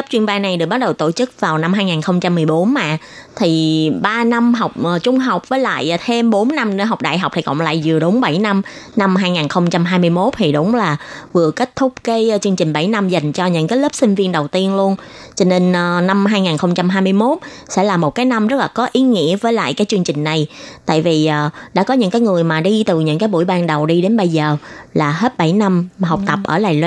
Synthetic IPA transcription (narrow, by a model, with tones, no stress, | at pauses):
lə˦˥p̚t͡ɕwi˧ənɓaː˧jna˨˩jɗɨ˨˩kɓk̚ɗə˨˩wt̪o̰˧˩t͡ɕɨ˦˥k̚vaː˨˩wna˧mhaː˧jŋaː˨˩nxə˧wŋ͡mt͡ɕa˧mːɨ˨˩əjɓo˨˦nma̰ː˧˨ | t̪ʰi˨˩ɓaː˧na˧mɦa˨˩wk͡p̚ʔəː˨˩t͡ɕʊ˧ŋ͡mɦa˨˩wk͡p̚vəː˨˦jla̰ː˧˨jʔt̪ʰe˧mɓo˨˦nːa˧mn˧˩ɦa˨˩wk͡p̚ɗa̰ː˧˨jɦa˨˩wk͡p̚t̪ʰi˨˩kɔ̰˧˨ŋ͡mla̰ː˧˨jzɨ˨˩əɗʊ˨˦ŋ͡mɓa˧˩jna˧m | na˧mɦaː˧jŋaː˨˩nxə˧wŋ͡mt͡ɕa˧mɦaː˧jmɨ˧əjmo˦˥t̚t̪ʰi˨˩ɗʊ˨˦ŋ͡mlaː˨˩vɨ˨˩əkə˦˥k̟̚t̪ʰʊ˦˥k͡p̚ke˨˦˧t͡ɕɨ˧əŋt͡ɕï˨˩ŋ̟ɓa˧˩jna˧mza˨˩jŋ̟t͡ɕɔ˧ɲɨ̰˧˥ŋkaː˨˦jləː˦˥p̚si˧ŋ̟vi˧ənɗə˨˩wt̪i˧ənlu˧ən | t͡ɕɔ˧ne˧nʔna˧mɦaː˧jŋaː˨˩nxə˧wŋ͡mt͡ɕa˧mɦaː˧jmɨ˧əjmo˦˥t̚sɛ̰˧˥laː˨˩mo˨˩kaː˨˦jna˧mzə˦˥laː˨˩kɔ˨˦ʔi˨˦ŋḭ˧˥əvəː˨˦jla̰ː˧˨jkaː˨˦jt͡ɕɨ˧əŋt͡ɕï˨˩ŋ̟na˨˩jt̪a̰ː˧˨jvi˨˩ʔːɗa̰ː˧˥kɔ˨˦ɲɨ̰˧˥ŋkaː˨˦jŋɨ˨˩əjmaː˨˩ɗi˧t̪ɨ˨˩ɲɨ̰˧˥ŋkaː˨˦jɓṵ˧˩əjɓaː˧˩nɗə˨˩wɗi˧ɗe˨˦nɓə˧jzəː˨˩laː˨˩ɦe˦˥t̚ɓa˧˩jna˧mɦa˨˩wk͡p̚t̪ə˨˩p̚ʔəː˧˩laː˨˩jl